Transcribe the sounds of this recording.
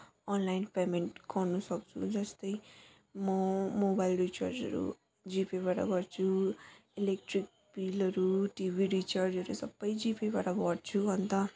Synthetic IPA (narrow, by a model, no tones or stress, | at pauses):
ʌnlajnpemeɳʈɡʌrnusʌk̚t͡sʰṵd͡zʌst̪ʌj | mʌmobajlrit͡ʃard͡zʌ̰ɾṵ | d͡zipebaʈʌ̰ɡʌrt͡sʰuilek̚ʈrik̚ | bilʌɾuʈibʱiɾit͡ʃard͡zʌɾusʌbːʌjd͡zipebaʈʌbʌɽt͡sʰuɦʌnt̪a